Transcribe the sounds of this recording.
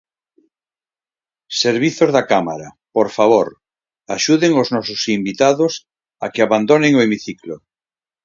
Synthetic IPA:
seɾβiθozðakamaɾa | poɾfaβ̞oɾ | aʃuðeŋoznɔsosimbit̪aðos | akɪaβand̪oneŋoemiθiklo

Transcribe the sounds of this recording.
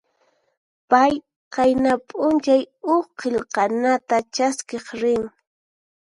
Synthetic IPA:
paj | qɑjnapʼʊnt͡ʃajʊχqeʎqɑnat̪at͡ʃaskeχɾɪŋ

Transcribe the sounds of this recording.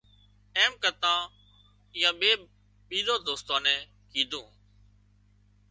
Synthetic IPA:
eːmkət̪ãː | ɪjãːɓeː | ɓiːɗ̪oːd̪oːst̪ãːnɛ̃ː | kiːd̪ʱũː

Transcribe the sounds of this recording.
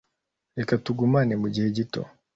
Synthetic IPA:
ɾe̞katuɡumanemuɟihe̞ɟito̞̰

